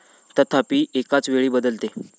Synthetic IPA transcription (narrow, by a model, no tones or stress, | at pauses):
t̪ət̪ʰapiːʔekat͡sʋeɭiːbəd̪əlt̪e